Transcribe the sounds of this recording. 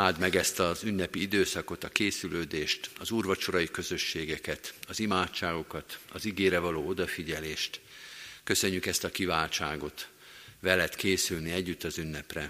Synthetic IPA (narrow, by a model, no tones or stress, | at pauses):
aːld̪mɛɡɛst̪ɒzynːɛpiid̪øːsɒko̞t̪ɒkeːsyløːd̪eːʃt̪ɒzuːrvɒt͡ʃo̞ɾɒjikø̞zø̞ʃːeːɡɛkɛt̪ɒzimaːtt͡ʃːaːɡo̞kɒt̪ɒziɡeːɾɛvɒloːo̞d̪ɒfiɟɛleːʃt̪kø̞sø̞ɲːykɛst̪ɒkivaːlt͡ʃaːɡo̞t̪ | ʋɛlɛt̪keːsylniɛɟːyt̪ːɒzynːɛprɛ